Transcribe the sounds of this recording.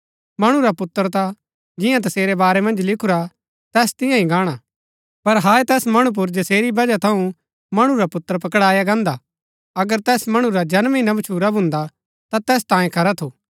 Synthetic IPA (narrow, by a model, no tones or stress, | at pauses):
mɐɽ̃ũɾapʊt̪ːəɾt̪a | d͡ʒɪjãt̪̬ɐseːɾebaːɾemɐ̃nd͡ʒlɪkʰuɾa | t̪ɛːst̪ɪ̃jãĩɡaːɽ̃a | pɐɾɦaːet̪ɛːsmɐɽ̃ũp̬ʊɾd͡ʒɐseːɾibɐd͡ʒat̪ʰɐũ | mɐɽ̃uɾapʊt̪ːəɾp̬ɐkɽaːjaɡãːnd̪a | ɐɡəɾt̪ɛːsmɐɽ̃ũɾad͡ʒɐnmẽinɐʋt͡ʃʰuːɾabʱʊ̃nd̪a | t̪at̪ɛːst̪ãːjẽkʰɐɾat̪ʰoː